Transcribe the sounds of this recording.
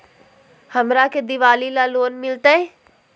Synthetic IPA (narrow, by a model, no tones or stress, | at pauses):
hɐmɾaked̪ɪʋaːlilaloːnmɪlt̪aɦɛ̃ː